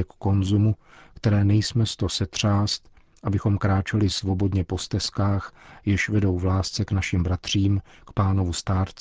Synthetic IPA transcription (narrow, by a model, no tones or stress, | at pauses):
ɛkko̞nzumu | kt̪ɛɾɛːnɛjsmɛst̪o̞sɛt̪r̝̥aːst̪ | ʔabɪxo̞mkɾaːt͡ʃɛlɪsvo̞bo̞dɲɛpo̞st̪ɛskaːxjɪʃvɛdo̞wvlaːst͡sɛknaʃɪmbɾat̪r̝̥iːmkpaːno̞vust̪aːɾt͡s